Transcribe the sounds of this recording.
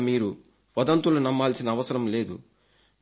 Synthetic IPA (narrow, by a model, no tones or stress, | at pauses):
miːɾu | ʋɐd̪ɐnt̪ulunɐmːaːlsinɐːʋɐsɐɾɐmle̞ːd̪ṵ